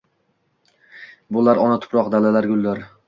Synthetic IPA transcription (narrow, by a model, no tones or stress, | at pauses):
bʊlaɾɒnat̪ʰʊ̥pɾɒqd̪alalaɾɡʲʊlˠːaɾ